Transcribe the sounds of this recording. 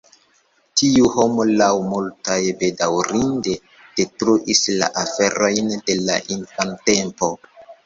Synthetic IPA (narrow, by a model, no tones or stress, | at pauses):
tʰiuho̞molawmultajbe̞dawɾinde̞ | d̥e̞tɾuʔisla̰ʔafe̞ɾojnde̞la̰ʔinfante̞mpo̞